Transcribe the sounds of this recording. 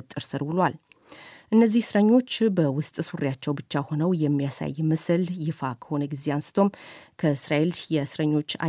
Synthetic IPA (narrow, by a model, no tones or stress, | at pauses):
t̪ʼːɨɾsɨɾbɨlal | ʔɨnːəzːihsɨɾəɲːo̞t͡ʃːbəwʊst̪ʼsuɾjat͡ʃːɛwbɨt͡ʃːaho̞nəwjɛmːijasa̰jːmɨsɨljɪfakʰə̥ho̞nəɡize̞ansɨ̥t̪ʰo̞mkʰəɨsɾaeljɛsɨɾəɲːo̞t͡ʃːa̰